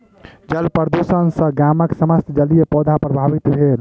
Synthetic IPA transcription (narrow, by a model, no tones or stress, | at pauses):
d͡ʒəlpəɾd̪usənsə̃ɡaməksəməst̪ʰd͡ʒəlijepɔd̪ʱapɾəbʱaʋit̪bʱel